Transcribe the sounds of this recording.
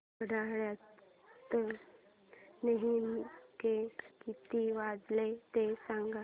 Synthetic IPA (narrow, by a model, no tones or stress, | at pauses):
əɽaɭja | t̪ːə | neɦinkekit̪iʋad͡zlet̪esãŋɡa